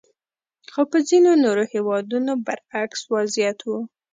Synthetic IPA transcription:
xopəzinonoɾohewɑd̪unobəɾakswazjat̪wu

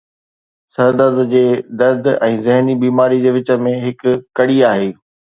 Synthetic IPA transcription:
sɐɾd̪əd̪d͡ʑeːd̪ɐɾd̪ɛ̃ːzɪɦnibiːmaːɾid͡ʑeːʋɪt͡ɕə̆mẽɦɪkʊkɐɽiaːɦeː

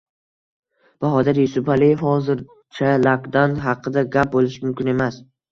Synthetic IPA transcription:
b̥aɦɒd̪aɾjʊsʊpalijefhɒzɪɾ | t͡ʃʰalakd̪anɦɑqʰɨd̪aɡʲap̚bolˠɪʃmʊmkʲɪne̞mas

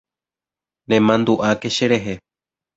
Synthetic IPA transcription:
nẽmãnd̪uʔakeʃeɾeɦe

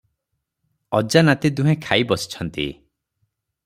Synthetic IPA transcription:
ɔd͡ʒanat̪ed̪uɦẽkʰaibɔsi̥t͡ʃʰɔnt̪ḭ

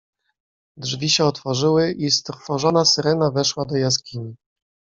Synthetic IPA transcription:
d̪ʐvʲiɕɛɔt̪fɔʐɘwɘʔist̪ɾfɔʐɔnasɘɾɛnavɛʂwad̪ɔjaskʲiɲi

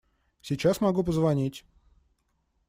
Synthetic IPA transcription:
sʲɪt͡ɕasmɐɡup̬əzvɐnʲitʲ

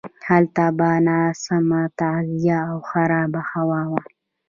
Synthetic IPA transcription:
halt̪abaːnasamat̪azijaːwxaɾɑːbahawaːwa

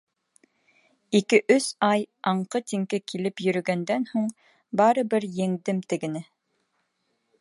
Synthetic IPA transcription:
ikɘʔɵsɑjɑɴqɤt̪iŋkɘkʰilɘpjɵ̆ɾɵ̆ɡænd̪ænhuɴ | bɑɾɤ̆bɘɾjɘ̆ŋd̪ɘmt̪ɘ̆ɡɘ̆næ

